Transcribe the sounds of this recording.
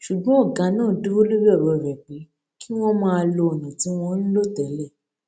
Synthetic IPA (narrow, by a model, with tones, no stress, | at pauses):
ʃu˨ɡ͡bɔ̃˦ɔ˦˨ɡa˨˧˦nãː˦˨du˦o˦lu˦bɛ˦ɔ˦˨ɾɔ˨ɾɛ˨k͡pe˨˦ | ki˦w̃ɔ̃˦mãː˦˧a˧lo˧ɔ˨nã˨ti˨˦w̃ɔ̃˧n̩˦lo˦˨tɛ˨˦lɛ˦˨